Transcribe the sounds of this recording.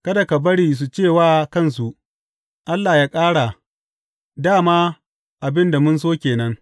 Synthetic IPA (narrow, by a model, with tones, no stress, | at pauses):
kɐ˦da˨ka˨bɐ˦ɽiː˨s̬u˨t͡ʃeː˦˨waː˦kɐ˦ns̬u˨ʔ | ʔa˦lːaː˨jaː˦kʼaː˦ɽa˨ | daː˦˨maː˦ | ʔa˨bɪ˦nda˨mʊ˦ns̬oː˦kʲeː˨nɐ˦ŋ